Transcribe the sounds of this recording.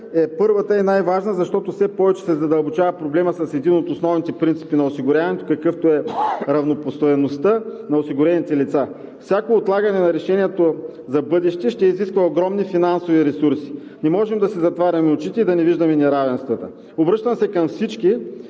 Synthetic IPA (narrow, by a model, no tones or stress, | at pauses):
ɛpɤɾvət̪əɛnajvaʒnəzɐʃt̪ɔt̪ofsɛpɔvɛt͡ʃɛ̥sɛzɐd̪ɐlˠbot͡ʃavɐpɾoblɛməsɐsɛd̪inot̪osnɔvnit̪ɛpɾint̪si̥pinɐosiɡʊɾʲavɐnɛt̪o̥kɐkɤft̪oɛɾɐvnopost̪oɛnost̪ənɐosiɡʊɾɛnʲit̪ɛlit̪sa | fsʲakoːt̪lˠaɡɐnɛnɐɾɛʃɛniɛt̪ozɐbɤd̪ɛʃt̪ɛʃt̪ɛiziskvɐoɡɾɔmnifinansoviɾɛsuɾsi̥ | nɛmɔʒɛmd̪ɐsɛzɐt̪vaɾʲɐmɛot͡ʃit̪ɛid̪ɐnɛviʒd̪ɐmɛnɛɾavɛnst̪vɐt̪ə | obɾɤʃt̪ɐmsɛkɐmfsit͡ʃki